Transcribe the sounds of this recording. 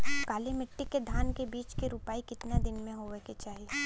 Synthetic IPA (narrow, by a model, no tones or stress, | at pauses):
kaːlemɪʈːikːed̪ʱaːnkebiːt͡ʃkiɾupaːikɪt̪nad̪ɪnmẽɦoːʋeket͡ʃaːɦie